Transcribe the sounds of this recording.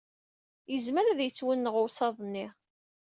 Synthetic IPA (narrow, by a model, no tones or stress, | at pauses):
jəzməɾæðjət͡sːwənːəʁʊwsɑðˤnːi